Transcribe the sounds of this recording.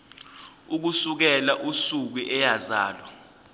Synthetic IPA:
uk̬usuk̬ɛlaʔusuk̬uʔɛjazaːlɔ

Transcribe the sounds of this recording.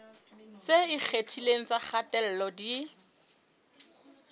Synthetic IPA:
t͡seik͡xʰetʰileŋ̩t͡saχatɛl̩lɔdi

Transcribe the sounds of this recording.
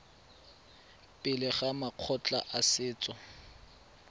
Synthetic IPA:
pʼɪlɪχamaq͡χʰɔt͡ɬʼa̰ʔasɪːt͡sʼɔ

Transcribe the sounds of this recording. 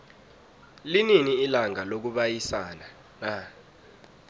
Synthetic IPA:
lininiːlaŋalok̬uɓajisana | na

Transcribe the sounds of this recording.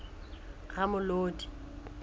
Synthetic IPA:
ɣamʊloːdi̥

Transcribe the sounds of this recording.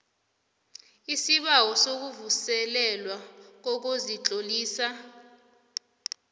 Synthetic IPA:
isiɓawɔsok̬uvusɛlɛlwak̬ok̬ozit͡ɬʼoliːsa

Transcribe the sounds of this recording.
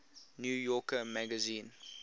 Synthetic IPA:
njuːjɔkəmæɡəzĩːn

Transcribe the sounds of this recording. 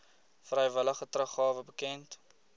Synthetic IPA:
frɛjvələχətrəχɑːvəbəkɛnt

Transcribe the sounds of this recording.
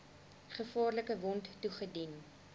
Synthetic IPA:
χəfɑːrləkəvɔnttuχədin

